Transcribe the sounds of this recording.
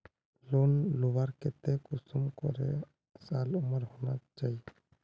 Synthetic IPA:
loːnloʋaɾket̪ekʊsʊmkɔ̰ɾḛ | saːlʊməɾɦoːnat͡ʃaːi

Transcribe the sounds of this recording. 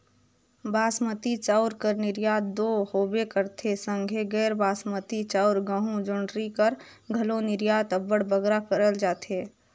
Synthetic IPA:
baːsmət̪it͡ʃaːʊɾkəɾnɪɾjaːt̪̚d̪oːhoːbekəɾt̪ʰesə̃ŋɡʱeɡɛːɾbaːsmət̪it͡ʃaʊɾɡəɦũd͡ʒʊɳɖɾikəɾ | ɡʱɐlõnɪɾjaːt̪əbəɽbəɡɾakəɾəld͡ʒaːt̪eː

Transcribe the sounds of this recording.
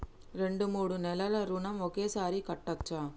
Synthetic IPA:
ɾeɳɖɯmuːɽɯnɛlɐlɐɾuɳɐmɔkeːsaːɾikɐʈːɐt͡ʃːaː

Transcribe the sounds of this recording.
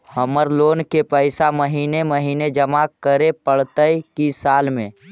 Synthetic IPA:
həməɾloːnkepəɪsaməɦiːneməɦiːned͡ʒəmakəɾepəɽ̤t̪əjkisaːlmẽ

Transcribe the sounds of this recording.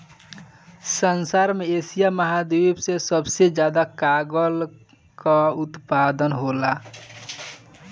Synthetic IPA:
sənsaɾmeesijaməɦad̪eibsesəbsed͡ʒjad̪akaɡəl | kaʊt̪pad̪ənɦola

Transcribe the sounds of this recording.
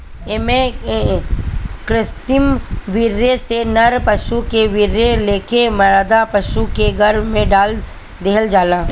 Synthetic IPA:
emẽ | kɾɪst̪ɪmʋɪɾjesenɐɾpɐʃukeʋɪɾjeleːkemɐɾd̪apɐʃukeɡʱɐɾʋmẽɖaːl | d̪eɦəld͡ʒaːlãː

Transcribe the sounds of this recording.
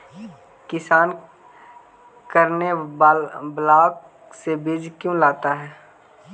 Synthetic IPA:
kɪsaːn | kəɾne | blaːk | sebɪd͡ʒkjõlaːt̪aɦɛː

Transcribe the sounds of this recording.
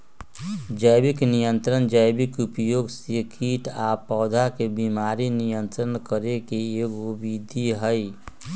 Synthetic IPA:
d͡ʒəjbɪknijə̃nt̪ɾənd͡ʒəjbɪkʊpjoːɡsekʰiːʈaːpɔːd̪ʱakebimaːɾinijə̃nt̪ɾənkəɾekeeːkʊbid̪ʱiɦəi

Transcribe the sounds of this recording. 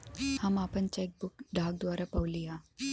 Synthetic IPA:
hamapənt͡ɕaek̚bukɖʱaɡ̚d̪ʋaɾapawlia

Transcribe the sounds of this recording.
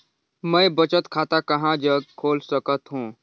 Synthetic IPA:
mɛ̃ːbɐt͡ʃət̪kʰaːt̪akɐɦãd͡ʒɐɡ̚kʰoːlsəkət̪ɦũː

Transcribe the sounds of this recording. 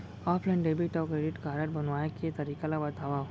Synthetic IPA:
ɔːpʰlaɪɳɖeːbiʈɔkɾeːɖɪʈkaːɾəʈ̚bɐnʋaːekʰet̪ɐɾiːkalabɐt̪aːʋa

